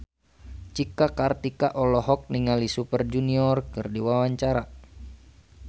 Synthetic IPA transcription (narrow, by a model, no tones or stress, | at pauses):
t͡ʃikakart̪ikaʔɔlɔɦɔk̚niŋalisupərd͡ʒuniɔrkɨrdiwawaɲt͡ʃaɾa